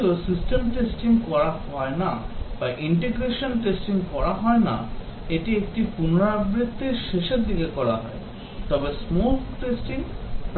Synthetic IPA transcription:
osisʈemʈesʈiŋkɔɾaɦɔenabaʔiɳʈeɡɾeʃonʈesʈiŋkɔɾaɦɔena̰ | eʈiek̚ʈipunoɾabɾit̪ʰːeɾʃeʃeɾd̪ikekɔɾaɦɔe | t̪ɔbesmokʈesʈiŋp

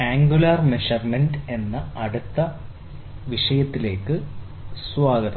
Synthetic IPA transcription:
aːŋɡulaːrmeʂɐrmenɖe̞nːɐɐɽut̪ːɐ | ʋiʂɐjɐt̪ːile̞ːkːɨ | swaːɡɐðɐ

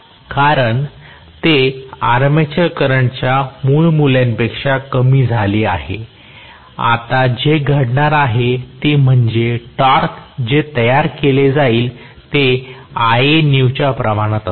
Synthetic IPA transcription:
kaɾəɳ | t̪eaɾmet͡ɕəɾkəɾəɳt͡ɕjamuːɭmulanpekʂakəmiːd͡zʱaliːaɦḛ | a̰t̪ad͡ʑeɡʱəɽɳaɾaɦet̪im̤əɳd͡ʑeʈaɾkd͡ʑet̪əjaɾkeled͡zaiːl | t̪eaeniwt͡ɕapɾəmaɽ̃ət̪

